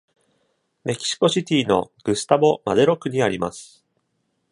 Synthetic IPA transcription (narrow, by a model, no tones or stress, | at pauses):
me̞kʲi̥ɕi̥ko̞ɕit̪ʲiːno̞̰ɡ̥ɯ̟sɨ̥t̪abo̞ma̰d̪eɾo̞kɯ̟ɲ̟iaɾʲimasɨ̥